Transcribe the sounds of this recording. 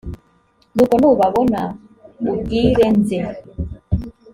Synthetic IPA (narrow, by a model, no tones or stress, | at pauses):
nukɔnɔuβaβɔna | uɡiɾɛnd͡zɛ